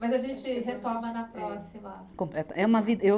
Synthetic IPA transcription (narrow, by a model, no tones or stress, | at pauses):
mɐjzɐʒẽnt͡ʃɪɦeklamɐnɐpɾɔsimɐ | kõmplɛt̪ɐʔɛũmɐvid̪ɐe